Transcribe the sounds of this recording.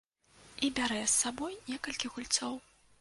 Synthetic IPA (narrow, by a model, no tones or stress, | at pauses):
ibʲaɾɛsːabɔjnʲɛkɐlʲkʲiɣulʲt̪sɔw